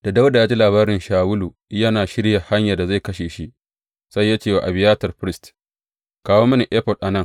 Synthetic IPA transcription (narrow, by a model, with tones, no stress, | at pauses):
d̥a˨da˦wda˨ja˦d͡ʒi˦laː˨βaː˦ɾɪ˨nʃaː˨wʊ˦lu˨ | jɐ˦naː˨ʃɪ˦ɽja˨ha˦ɲja˨da˨za˦˨jkɐ˦ʃeː˨ʃi˦ | sa˦jːa˦t͡ʃeː˦˨wa˨ʔa˨bɪ˨jaː˦tɐ˨rɸɪ˦ɾɪ˦st | kaː˦woː˦mɐ˦ni˨ʔɛ˦ɸɔ˨lʔa˨nɐ˦ŋ